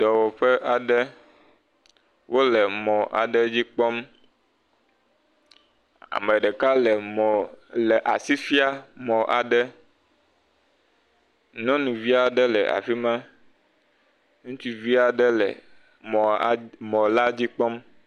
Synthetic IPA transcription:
d̪̥ɔ˨wɔ˨ɸɛ˦ʔa˨ɖɛ˦ | wʔo˦lɛ˨mɔ̃˨ʔa̰˨ɖɛ˦d͡ʑi˦k͡pɔ˦m | a̰˨mɛ˨ɖɛ˨ka˦lɛ˨mɔ̃˨lɛ˨ʔa˨si˦fi˦a˦mɔ̃˨ʔa̰˨ɖɛ˦ | nɔ̃˦nũ˨vi˦a˨ɖɛ˦lɛ̰˨ʔa̰˨fi˦mã˦ | ŋũ˦t͡ʃi˦vi˦a˨ɖɛ˦lɛ̰˨ | mɔ̃˨˦mɔ̃˨la˦d͡ʑi˦k͡pɔ˦m

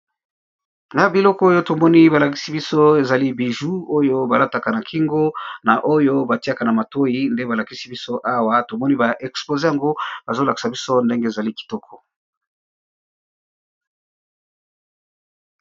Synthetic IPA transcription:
ŋɡa˦bi˨lɔ˦kɔ˦o˦jo˦to˨mɔ˦ni˦ba˨la˨ki˦si˦bi˦so˦e˨za˨li˦bi˨ʒu˦o˦jo˦ba˨la˦ta˨ka˨na˨kʰi˦ŋɡo˦na˨ʔo˦jo˦ba˨ti˦a˦˨ka˨na˨ma˨to˦ji˨˦nde˦ba˨la˨ki˦si˦bi˦so˦ʔa˦wa˦to˨mɔ˦ni˦ba˨ʔɛ˨ksplo˨ze˦ja˨ŋɡo˦b̥a˨zo˦la˨ki̥˨sa˨bi˦so˦nde˦ŋɡe˦e˨za˨li˦ki̥˨tɔ˦kʰɔ˨

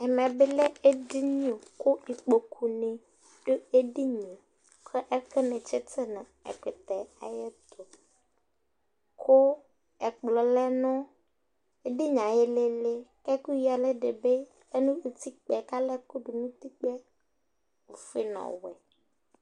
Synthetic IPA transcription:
ɛ˨mɛ̃˨be˦le˦e˦di˦ɲo˨ko˦i˨k͡po˨kʰu˨nẽ˨ | ɖo˦e˦ɖi˦ɲõ˨ | kʰɛ˦ʔɛ˦ke˦nẽ˨t͡ʃe˦t̪ʰe˦nã˨ɛ̰˨k͡pe˨t̪ɛ˨a̰˨je˦t̪o˨ | kʰo˦ | ɛ˨k͡plɔ˨lɛ˦nɔ̃˦ | e˦ɖi˦ɲã˨je˦le˦le˦kɛ˦ku˦ji˦a˨le˦ɖe˨be˦ | e˦nũ˦e˨t̪i˦k͡pɛ˨ka˦lɛ˦ku˦ɖu˨nũ˦t̪i˦k͡pɛ˦ | o˨fe˦nɔ̰̃˨wɛ̰˨

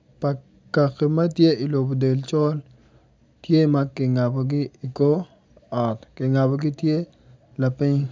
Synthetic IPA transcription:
pa˨ | ka˨kːe˨ma˦tje˦i˨lo˨bo˨de˨lt͡ʃɔ˦l | tje˦ma˦kɪ˨ŋa˨bo˨ɡɪ˦i˨ko˦ | a˨t̪kɪ˨ŋa˨bo˨ɡɪ˦tje˦ | la˨pɪ˦ɲ

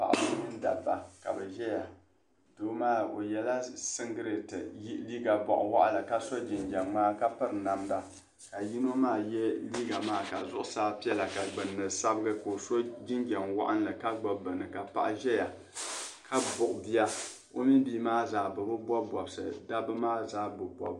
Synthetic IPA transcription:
pa̰˨ʔa˨bɨ˨˦nɨ˦n˦da̰˨ba˨ka̰˨bɛ˨ʒɛ˦ja˨ | doː˦maː˦˨o̰˨jɛ˦la˦sɨ˦ŋɡɨ˦ɾɨ˨tɨ̰˨ji˦liː˦ɡa˨bɔ̰˨ʔʊ̰˨wa̰˦ʔa˦la˨ka˦so˦d͡ʒɪ˨nd͡ʒɛ˨ŋːaː˦ka˦pɨ˦ɾɨ˨na˨mda˨ | ka˨ji˦no˦maː˦˨jɛ˦liː˦ɡa˨maː˦ka̰˨zʊ˦ʔʊ˦saː˦pi˦ɛ˦la˨ka˨ɡ͡bɨ˨nːɨ˨sa˦bɨ˦ɡɨ˦ko˨so˦d͡ʒɪ˦nd͡ʒɛ˨ŋwa̰˦ʔa˦n˦la˨ka˦ɡ͡ba˦bɨ˨nːɨ˨ka˨pa̰˨ʔa˦˨ʒɛ˦ja˨ | kʰa˦bʊ˨ʔʊ˨bi˦a˦ | o˦mi˦biː˦maː˦zaː˨bɨ˨bɨ˦bʷɔ˦bɔ˨bsɨ̰˨da˦bɨ˦maː˦zaː˦bʊ˨bɔ̰˨˦b

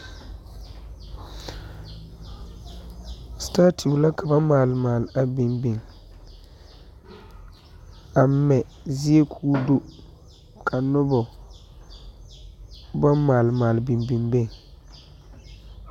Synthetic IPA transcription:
staː˦tʰu˨la˦ka˨ba˦maː˨lmaː˨lɪ˨a˨bi˨mbi˨ŋ | a˨˦mɛ˨ | zɪ˦e˦kʰuː˦do˦ | kʰa˨nʊ˦bɔ˨ | ba˦mmaː˨lmaː˨lɪ˨bi˨mbi˨mbe˦˨ŋ

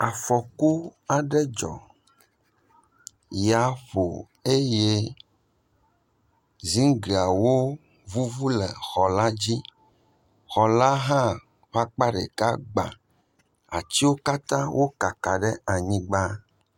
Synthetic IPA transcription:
a˨fɔ˨ku˦a˨ɖɛ˦d͡ʒɔ̰˨ | ja˨ɸo̰˨ | e˦je˦ | zi˦ŋ˦ɡi˨a˨wo˦ | vu˦vu˦lɛ˨xɔ˨la˦d͡ʑi˦ | xɔ˨la˦ɦã˦ | ɸa˦k͡pa˦ɖḛ˨ka˦ɡ͡bã̰˨ | a̰˨t͡ɕi˦wo˦ka˦t̪ã˦wʔo˦ka˨ka˨ɖɛ˦a˨ɲĩ˦ɡ͡ba˦

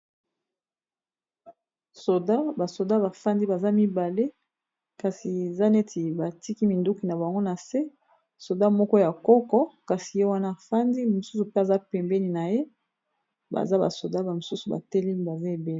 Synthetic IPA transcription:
so˨da˦ba˨so˨da˦βa˨fa˦ndi˦ba˨za˦mi˦ba˨le˦ | ka˨si˨e˨za˦ne˦ti˨ba˨ti˦ki˦mi˨ndu˦ki˨na˨ba˨ŋɡo˦na˨se˦ | so˨da˦mɔ˦kɔ˦ja˨kɔ˦kɔ˦ka˨si˨je˦wa˦na˦˨fa˦ndi˦mo˨su˦su˨pe˦a˨za˦pɛ˨mbɛ˦ni˨na˨je˦ | ba̰˨za˦ba̰˨so˨da˦ba˨mo˨su˦su˨ba̰˨tɛ˦li˦m˦ba˨za˦e˨be˨le˦

